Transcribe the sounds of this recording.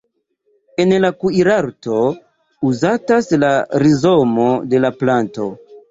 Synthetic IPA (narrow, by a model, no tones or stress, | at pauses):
e̞nlakuiɾaɾto̞ | uzataslaɾizo̞mo̞de̞laplanto̞